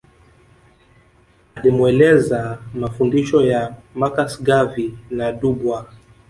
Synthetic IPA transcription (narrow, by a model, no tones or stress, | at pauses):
alimuɛlɛzamafundiʃɔjamakasɡavinaɗubwa